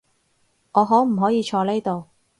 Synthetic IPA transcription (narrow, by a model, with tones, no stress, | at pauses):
ŋɔː˨˧ɦɔː˨˥m̩˨˩ɦɔː˨˥jiː˨˧t͡ʃʰɔː˧le˥jt̪o˨˧w